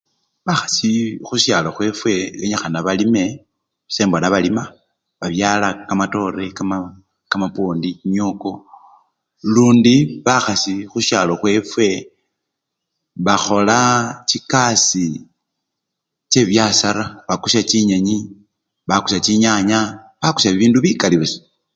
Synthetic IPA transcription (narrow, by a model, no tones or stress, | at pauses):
βaxḁsixuʃjaloxwe̞ːfwe̞eɲaxanaβalime̞ | se̞ːmbonaβalima | βaβjaːlakamato̞ɾe̞kama | kamapoːndiɲoko̞ | luːndiβaxasixuʃalo̞xwe̞ːfwe̞ | βaxo̞lat͡ʃikasi | t͡ʃe̞βjasaɾaβakuʃat͡ʃiɲaɲi | βaku̥sat͡ʃiɲaɲa | βaku̥ʃaβiβiːnduβikaliβesi̥